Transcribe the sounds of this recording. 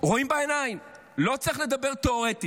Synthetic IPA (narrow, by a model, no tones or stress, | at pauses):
ʁoimbaenaim | lo̞t͡sʁiχle̞d̪abe̞ʁt̪eoʁet̪i